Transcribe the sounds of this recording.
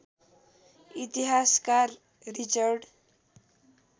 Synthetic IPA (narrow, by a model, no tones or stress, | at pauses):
it̪iɦaskarː | it͡sʌrɖ